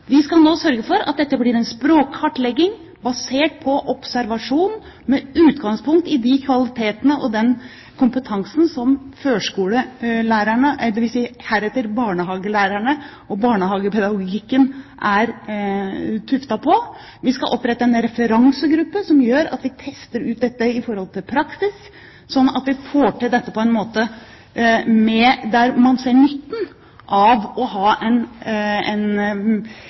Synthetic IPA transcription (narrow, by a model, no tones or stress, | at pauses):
ʋɪskɑlnoːsœɾɡəfɔɾɑ̰t̪̚d̪ɛt̪ːəbliːɾɛnspɾoːkhɑʈlɛɡːɪŋ | bɑseːʈ̚pʰɔʔɔpsæɾʋɑʂuːn | mɛʉːt̪ɡɑŋspʰʊŋk̚t̪ɪd̪ɪkʰʋɑlɪt̪ʰeːt̪ənəʔɔd̪ɛn | kʰʊmpət̪ʰɑŋsn̩sɔmføːʂkuːləlæːɾæɳəʔɛd̪ɛʋɪlsɛəhæːɾɛt̪ːəɾbɑːɳəɦɑːɡəlæːɾæɳə | ɔbɑːɳəhɑːɡəpʰɛd̪ɑɡʊɡɪkːənʔæɾ | t̪ʰʉft̪ɑpʰɔ | ʋɪskɑʔɔpːɾɛt̪ːɑɛnɾɛfəɾɑŋsəɡɾʉpːəsɔmjøːɾɑ̰t̪ʋɪt̪ʰɛst̪əɾʉːt̪̚d̪ɛt̪ːəɪfɔɾhɔlt̪ʰɪlpʰɾɑksɪs | sɔnːɑ̰t̪ʋɪfoːʈɪɖɛt̪ːəpʰɔɛnmoːt̪ə | mɛd̪æɾmɑnseːɳʏt̪ːn̩ | ʔɑʋɔɦɑːɛnɛn